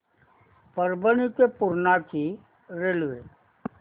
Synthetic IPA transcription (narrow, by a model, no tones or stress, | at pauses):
pəɾbəñikepʊɾnaki | ɾelʋe